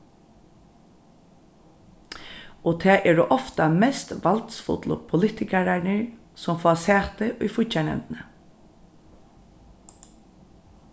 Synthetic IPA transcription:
oːt̪ʰæːʔɛːɹʊʔɔft̪amɛst̪ʋalt̪sfʊ̰t̪lʊ̰pʰʊlɪt̪ɪkaɹaɳəɹ | sɔmfasæːt̪əʔʊjfʊt͡ʃanɛ̰nt̪nə

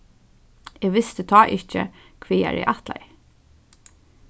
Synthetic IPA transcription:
ɛɡʋɪst̪ət̪ʰɑːʔɪht͡ʃə̰ | kʰʋiːa̰ɹɛ̰ʔaht̪la̰j

